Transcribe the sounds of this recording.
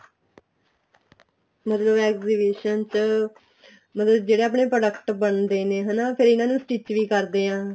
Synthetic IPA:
mət̪ləbɛːkziːbiːʃənt͡ʃ | mət̪ləb̚d͡ʒeːɽeːaːp̬ɳeːpɾəɖəkʈbəɳd̪eːneːɦɛːnaːpʰɪɾɪnãːnũːsʈiːt͡ʃʋiːkəɾd̪eːɦãː

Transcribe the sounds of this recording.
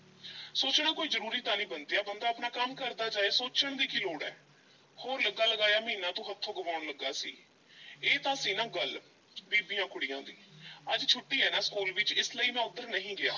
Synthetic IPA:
soːt͡ʃɳaːkoːiːzəɾuːɾiːt̪aːnĩːbənd̪eːɛːbənd̪aːpnaːkəmkəɾd̪aːd͡ʒaːeːsoːt͡ʃəɳd̪iːkɪloːɽɛ̰ː | hoːɾləɡaːləɡaːjaːmĩːnãːt̪õːɦət̪ʰːoːɡəʋaːɽləɡːaːsḭː | eːt̪ãːsiːnãːɡəl | biːbijãːkʰʊɽiːã̰ːd̪ḭːəd͡ʒt͡ʃʰʊʈːiːɛːnãːskuːlʋɪt͡ʃɪsləiːmɛ̃ːʊd̪ːəɾnəɦĩːɡɪja̰ː

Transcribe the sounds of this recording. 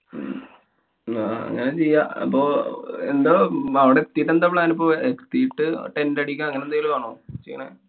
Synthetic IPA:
aːɐ̰ŋːɐnet͡ɕejːaɐ̰pːoːḛnd̪oɐʋiɽekt̪ːijʈːend̪apɭaːnipːoːekt̪ːijʈːɨʈendɐɽikʲːãɐŋːɐnend̪aɡilkaːɳoːt͡ɕejːɐ̰ɳḛ

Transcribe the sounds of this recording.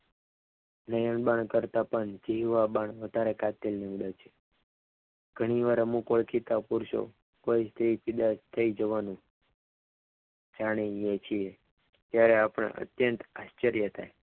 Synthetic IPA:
nəjəɳbaɳkəɾt̪apəɳd͡ʒiɦʋabaɳʋəd̪ʱaɾekat̪elniʋd̪at͡ʃʰe̥ | ɡ̥ʱəɽ̃iʋaɾmũkəɭkʰit̪apuɾʃo̰ | koist̪ɾipʰid̪ast̪ʰəid͡ʒəʋanũ | d͡ʒaɽ̃ijet͡ʃʰie | t̪jaɾeapəɳ̃ḛʔə̰t̪jənt̪aʃt͡ʃəɾjət̪ʰa̰j

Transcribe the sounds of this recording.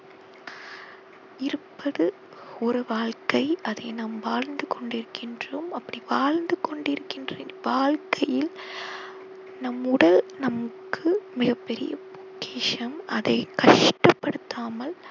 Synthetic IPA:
ɪɾɯpːɐðɯ | ɔɾɯʋaːɻkɐɪɐðɐɪnaːmʋaːɻnd̪ɯkɔɳɖɪɾɯkːɪndrɯmɐpːɐɽiʋaːɻnd̪ɯkɔɳɖɪɾɯkːɪndrʋaːɭkʰɐjɪl | nɐmːʊɽɐlnɐmɐkːɯmɪɣɐpːɛɾɪ̰jɐpʊkːeːʂɐmɐðɐɪkɐʂʈɐpːɐɽɯt̪ːaːmɐl

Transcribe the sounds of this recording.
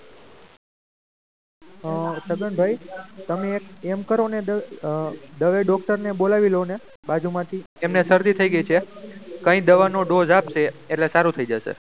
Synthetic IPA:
səɡəɳbʱajt̪əmeːkemkəɾone | d̪əʋeɖɔkʈəɾnebolaʋilone | bad͡ʒumãt̪ʰi | emnesəɾd̪it̪ʰəiɡəjt͡ʃʰekə̃ĩd̪əʋanoɖod͡ʒapʃeeʈlesaɾũt̪ʰəid͡ʒəʃḛ

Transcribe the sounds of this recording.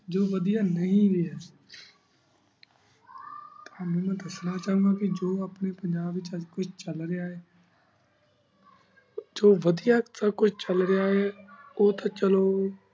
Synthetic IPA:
d͡ʒoːʋɐd̪ijanɐɦĩɾɪəs | t̪amɛ̃ːnũd̪ɐsnat͡ʃaːɦũŋɡakid͡ʒoːɐpnepɐ̃ɲd͡ʒaːbɪt͡ʃkʊt͡ʃʰt͡ʃɐlɾɪjaːɦeː | d͡ʒoːʋɐd̪ijasakʊt͡ʃʰt͡ʃɐlɾɪjaːɦeoːt̪at͡ʃɐloː

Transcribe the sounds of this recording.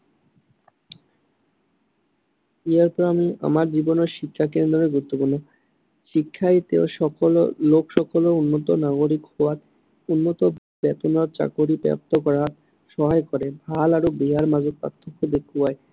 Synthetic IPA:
iaɾpɔɾamia̰maɾd͡ʑibonoʃikʰːakend̪ɾoeɡuɾut̪ːopuɾno | ʃikʰːat̪eoʃɔkollokʰʃɔkolounːot̪onaɡoɾikhɔwaɾ | unːot̪o | bɛt̪onaɾt͡ɕa̰koɾibɛ̰p̚t̪okɔɾat̪ | ʃɔɦaekɔɾebʱalaɾobiɦaɾmad͡ʑok̚pa̰t̪ʰːokʰːod̪ekʰuae

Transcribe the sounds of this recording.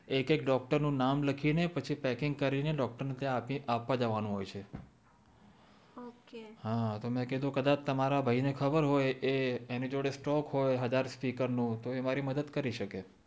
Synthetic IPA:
ekekɖɔk̚ʈəɾnũnamləkʰinepət͡ʃʰipɛkɪŋɡ̚kəɾineɖɔk̚ʈəɾnet̪jãpiapʋad͡ʒəʋanũɦojt͡ʃʰe | okeɦãt̪omɛ̃ked̪õkəd̪at͡ʃt̪əmaɾabʱainekʰəbəɾɦojeenĩd͡ʒoɽesʈɔkɦojɦəd͡ʒaɾspikəɾnũt̪oemaɾiməd̪əd̪kəɾiʃəke

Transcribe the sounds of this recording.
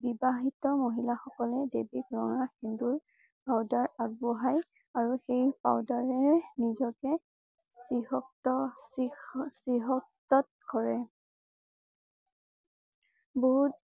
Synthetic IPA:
bibaɦitɔmoɦilaxɔkɔlɛdebikɹɔŋaxinduɹ | pawdaɹaɡ̚bɔɦaj | aɹuxejpa̰wdaɹɛɹnizɔkɛ | sɹihɔk̚tɔsisɹiɦɔk̚tɔt̚kɔɹɛ | boɦut̚

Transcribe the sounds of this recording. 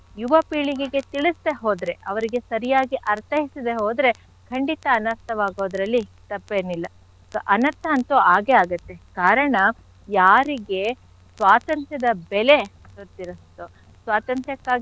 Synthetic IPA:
juʋɐpiːɭiɡeɡe̞t̪iɭist̪eɦoːd̪ɾe̞ɐʋɐɾiɡe̞sɐɾijaːɡiʔɐɾt̪ʰɐɦisid̪e̞ɦoːd̪ɾe̞ | kʰɐɳɖit̪ɐːnɐɾt̪ːɐʋaːɡo̞ːd̪ɐɾɐlːit̪ɐpːeːnilːɐ | kʔɐnɐt̪ːɐːnt̪oaːɡeaːɡɐt̪ːe̞kaːɾɐɳɐ | jaːɾiɡe̞ | sʋaːt̪ɐnt̪ʰjɐd̪ɐbɛle̞ | t̪oɾt̪iɾɐst̪o | sʋaːt̪ɐnt̪ʰjɐkːaːɡ

